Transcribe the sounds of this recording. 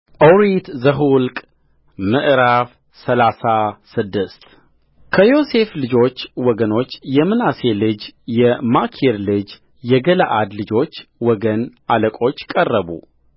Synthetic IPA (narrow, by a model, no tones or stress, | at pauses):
ʔowɾit̪zəɦulkʼ | mɨʔɾaf | səlasasɨd̪ːɨst̪ | kʰəjo̞se̞flɨd͡ʒo̞t͡ʃːwɔɡəno̞t͡ʃːjɛmɨnase̞lɨd͡ʒjɛmakʰeɾlɨd͡ʒ | jɛɡələʔad̪lɨd͡ʒo̞t͡ʃːwɔɡənʔaləkʼo̞t͡ʃːkʼərːəβṵ